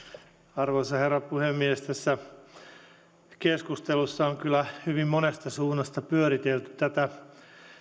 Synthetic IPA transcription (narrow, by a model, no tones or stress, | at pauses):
ɑrʋoisɑherːɑpuhemːiest̪æsːæ | keskust̪elusːɑoŋkylːˑæhyʋimmonest̪ɑsuːnːɑst̪ɑpyøɾit̪elt̪y̥t̪æt̪æ